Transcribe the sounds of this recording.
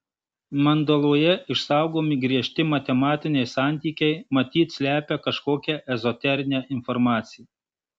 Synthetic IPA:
mɐnd̪olˠoːjɛɪʃsɑˑʊɡoːmʲɪɡɾʲiɛʃʲt̪ʲɪmɐt̪ʲɛmɑːt̪ʲɪnʲɛɪsɑˑnʲt̪ʲiːkʲɛɪmɐt̪ʲiːt̪sʲlʲæːpʲɛkɐʃkoːkʲɛʔɛzɔt̪ʲɛɾʲɪnʲɛʔɪnfɔɾmɑːt̪sʲɪjɛ

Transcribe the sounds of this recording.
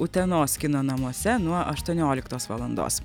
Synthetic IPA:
ʊt̪ʲɛnoːskʲɪnoːnɐmuɔsʲɛnuɔʔɐʃt̪uɔnʲoːlʲɪkt̪oːsʋɐ̰lˠɐnd̪o̰ːs

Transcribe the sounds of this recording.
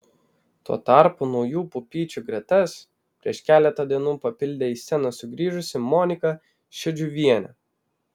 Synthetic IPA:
t̪uɔt̪ɑˑɾpʊnɔʊjuːpʊpʲiːt͡ʃʲuɡɾʲɛt̪ɐs | pʲɾʲiɛʃkʲæːlʲɛt̪ɐd̪ʲiɛnuːpɐpʲɪlʲd̪ʲeːiːsʲɛnɐsʊɡɾʲiːʒʊsʲɪmɔːnʲɪkɐ | ʃʲɛd͡ʒʲuʋʲiɛnʲɛ̰

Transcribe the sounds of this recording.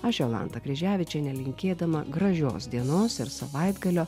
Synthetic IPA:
ɐʃʲɛlˠɑ̰ːnt̪ɐkɾʲɛʒʲæːʋʲɪt͡ʃʲɛnʲɛlʲɪŋʲkʲeːd̪ɐmɐɡɾɐʒʲo̰ːsd̪ʲiɛnoːsɪɾsɐʋɐɪd̪ɡɐlʲoː

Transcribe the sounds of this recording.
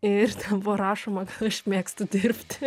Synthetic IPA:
ɪrt̪ʲɛbʊɐɾɑːʃoːmɐkɐt̪ɐʃʲmʲeːkst̪ʊd̪ʲɪɾʲpʲt̪ʲ

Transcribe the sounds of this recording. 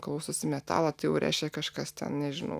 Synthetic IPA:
klˠʊsosʲɪmʲɛt̪ɑ̰ːlˠɐt̪ɐɪjɛʊɾʲʔæ̰ɪʃʲkʲɛkɐʃkɐst̪ʲɛ̰nnʲɛʒʲɪnɐ̰ʊ

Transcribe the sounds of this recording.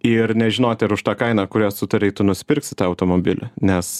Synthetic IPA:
ɪɾnʲɛʒʲɪnoːt̪ʲɪɾʊʃt̪ɑːkɐɪnɑːkʊɾʲoːsʊt̪ɐɾʲɛɪt̪ʊnʊsʲɪ̥pʲɪɾʲksʲɪt̪ɑːɐʊt̪oːmoːbʲɪlʲɪ̰nʲɛs

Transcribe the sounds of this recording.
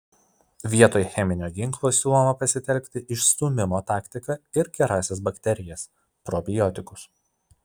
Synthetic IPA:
ʋʲiɛt̪oːjxʲɛmʲɪnʲoːɡʲɪŋklˠoːsʲuːlˠɔmɐpɐsʲɪt̪ʲɛlʲkʲt̪ʲɪʔɪʃst̪ʊmʲɪmoːt̪ɑːkt̪ʲɪkɐɪɾɡʲɛɾɑːsʲɛsbɐkʲt̪ʲɛɾʲɪjɛs | pɾɔbʲɪjɔt̪ʲɪkʊs

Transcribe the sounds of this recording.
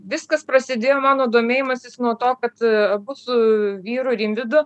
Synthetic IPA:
ʋʲɪskɐspɾɐsʲɪd̪ʲeːjoːmɑːnoːd̪oːmʲeːjɪmɐsʲɪsnuɔt̪oːkɐt̪ɐbʊsʊʋʲiːɾʊɾʲɪmʲʋʲɪd̪ʊ

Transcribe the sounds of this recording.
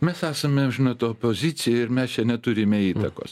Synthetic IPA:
mʲɛsæːsɐmʲɛʒʲɪnɐt̪opoːzʲɪt͡s̪ʲɪjɛɪɾmʲɛst͡ʃʲɛnʲɛt̪ʊɾʲɪmʲɛiːt̪ɐko̰ːs

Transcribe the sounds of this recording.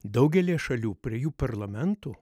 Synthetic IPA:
d̪ɐʊɡʲɛlʲiːʃɐlʲuːpʲɾʲiɛjuːpɐɾlˠɐmʲɛnt̪uː

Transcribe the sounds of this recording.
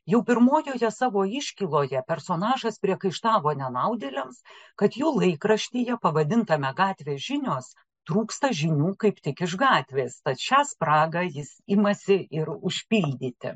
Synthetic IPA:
jɛʊpʲɪɾmoːjoːjɛsɑːʋoːɪʃʲkʲilˠoːjɛpʲɛɾsoːnɑːʒɐspʲɾʲiɛkɐɪʃt̪ɑːʋoːnʲɛnɐʊd̪ʲeːlʲɛmskɐt̪juːlˠɐɪkrɐʃʲt̪ʲijɛpɐʋɐd̪ʲɪnt̪ɐmʲɛɡɑːt̪ʲʋʲeːʒʲɪnʲoːs | t̪ɾuːkst̪ɐʒʲɪnʲuːkɐɪpt̪ʲɪkɪʃɡɑːt̪ʲʋʲeːst̪ɐt̪ʃʲæːsprɑːɡɐjɪsɪmɐsʲɪʔɪɾʊʃʲpʲilʲd̪ʲiːt̪ʲɪ̰

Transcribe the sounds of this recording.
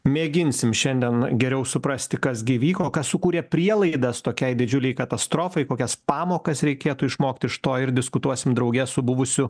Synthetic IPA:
mʲeːɡʲɪnʲsʲɪmʃʲɛnʲd̪ʲiɛnɡʲɛɾʲɛʊsʊpɾɐsʲt̪ʲɪkɐsɡʲɪʋʲiːkoːkɐssʊkuːɾʲeːpʲɾʲiɛlˠɐɪd̪ɐst̪oːkʲɛɪd̪ʲɪd͡ʒʲʊlʲɛɪkɐt̪ɐst̪ɾoːfɐɪkoːkʲɛspɑːmoːkɐsɾʲɛɪkʲeːt̪uːɪʃmoːkt̪ʲɪɪʃt̪oːɪɾd̪ʲɪskʊt̪uɔsʲɪmd̪ɾɐʊɡʲɛsʊbʊʋʊsʲʊ

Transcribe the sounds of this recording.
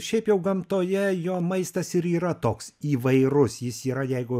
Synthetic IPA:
ʃʲɛɪpjɛʊɡɐmt̪oːjɛjoːmɐɪst̪ɐsɪɾiːɾɐt̪oːksiːʋɐɪɾʊsjɪsiːɾɐjɛɪɡʊ

